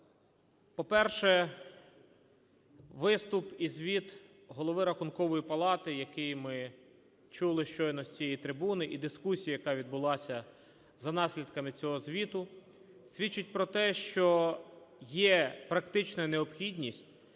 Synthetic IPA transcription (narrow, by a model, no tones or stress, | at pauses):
pɔpɛrʃɛ | ʋɪst̪ʊpizʲʋʲit̪ | ɦɔlˠɔʋɪɾɐxʊnkɔʋɔjipɐlˠɑt̪ɪjɐkɪjmɪ | t͡ʃulˠɪʃt͡ʃɔjnɔsʲt͡sʲijijt̪ɾɪbunɪʔid̪ɪskusʲijɐjɐkɑʋʲid̪̚bʊlˠɑsʲɐ | zɐnɑsʲlʲid̪kɐmɪt͡sʲɔɦɔzʲʋʲit̪ʊ | sʲʋʲit͡ʃːʊt̚ʲpɾɔt̪ɛʃt͡ʃɔ | jɛpɾɐkt̪ɪt͡ʃnɐneɔpxʲidʲnʲisʲtʲ